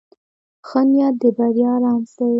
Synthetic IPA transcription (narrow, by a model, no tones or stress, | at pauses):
xənjad̪əbaɾjɑɾɑmsa